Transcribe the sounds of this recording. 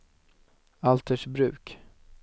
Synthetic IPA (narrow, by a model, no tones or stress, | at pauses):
alt̪əʂbɾʉ̟ːk